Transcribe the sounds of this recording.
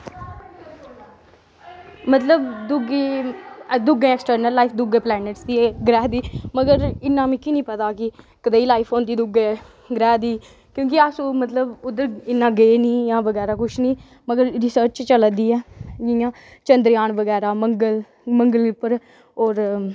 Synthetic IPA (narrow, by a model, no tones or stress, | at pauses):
mət̪ləbd̪ʊɡeː | d̪ʊɡẽːeksʈəɾnəlːaːipʰd̪ʊɡẽːplɛːnɪʈsd̪iːɛɡɾɛːɦd̪iːməɡəɾɪnːãːmĩːkɪnĩːpət̪aːkɪ | kəd̪eːiːlaːɪpʰõːnd̪iːd̪ʊɡẽː | ɡɾɛːɦd̪iː | kjõːkɪaːsũːmət̪ləbʊd̪əɾɪnːãːɡəːniːjãːʋəɡɛːɾaːkʊʃʰnĩː | məɡəɾɾisəɾt͡ʃt͡ʃt͡ʃələd̪iːɛːd͡ʒɪjãː | t͡ʃənd̪ɾjaːɳʋəɡɛːɾaːməŋɡəl | məŋɡəlipəɾ | ɔːɾ